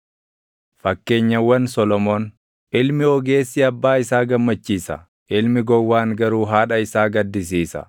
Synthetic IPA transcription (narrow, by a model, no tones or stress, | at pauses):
fɐkːe̞ːɲːɐwːɐnsɔlɔmoːn | ʔɪlmɪɔɡe̞ːsːɪɐbːaːɪsaːɡɐmːɐt͡ʃːiːsɐ̰ | ʔɪlmɪɡɔwːaːŋɡɐɾuːɦaːᶑɐɪsaːɡɐd̪ːɪs̬iːsɐ̰